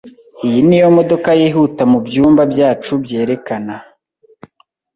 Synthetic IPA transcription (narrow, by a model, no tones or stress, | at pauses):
ijinijo̞mo̞do̞kajiɦutamubjuːmbabjaːt͡ʃubje̞ːɾe̞kana